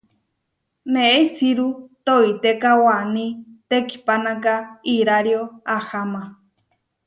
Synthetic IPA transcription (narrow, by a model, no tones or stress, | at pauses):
nẽeisiɾut̪oit̪ekawanĩt̪eki̥panãkaiɾaɾjoahama